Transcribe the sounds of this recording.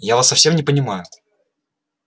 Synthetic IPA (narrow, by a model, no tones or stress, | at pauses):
javasːɐfsʲe̞mnʲɪpənʲɪmajʊ